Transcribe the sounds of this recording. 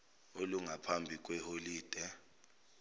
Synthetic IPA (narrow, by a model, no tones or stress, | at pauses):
oluŋapʰambʱik̬ʼwɛholiːd̥ʱɛ